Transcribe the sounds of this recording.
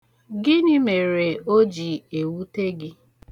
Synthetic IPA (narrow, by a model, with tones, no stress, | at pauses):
ɡɪ˦nɪ˦me˨ɾe˨o˦d͡ʒi˨e˨wu˦te˦ɡɪ˦